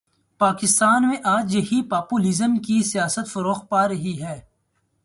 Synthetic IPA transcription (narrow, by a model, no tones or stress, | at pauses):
paːkɪst̪aːnmẽʔaːd͡ʒjɐɦipaːpuːlɪzəmkisijaːsət̪fɐɾoːxpaːɾɐɦiɦɛː